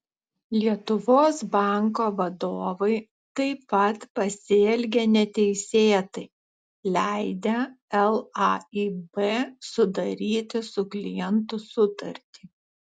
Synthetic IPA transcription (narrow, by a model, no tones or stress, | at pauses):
lʲiɛt̪ʊʋoːsbɑˑŋkoːʋɐd̪oːʋɐɪ | t̪ɐɪpɐt̪pɐsʲeːlʲɡʲenʲɛt̪ʲɛɪsʲeːt̪ɐɪ | lʲæɪd̪ʲe | ɛlˠɑiːbeːsʊd̪ɐɾʲiːt̪ʲɪsʊklʲɪjɛnt̪ʊsʊt̪ɐɾʲt̪ʲi